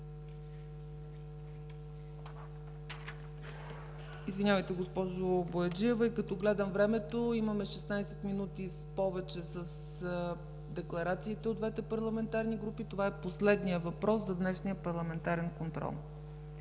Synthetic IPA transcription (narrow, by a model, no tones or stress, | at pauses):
izvinʲavəjt̪ɛɡospɔʒoboɛd͡ʒiɛvəikɐt̪ɔɡlɛd̪əmvɾɛmɛt̪oimɐmɛʃɛsnajsɛt̪minut̪ispɔvɛt͡ʃɛsəs | d̪ɛklˠɐɾat̪siːt̪ɛod̪vɛt̪ɛpɐɾlˠɐmɛnt̪aɾniɡɾupit̪ovaɛposlɛd̪nijəvɐpɾɔszɐd̪nɛʃnijəpɐɾlˠɐmɛnt̪aɾɛnkont̪ɾɔ̰lˠ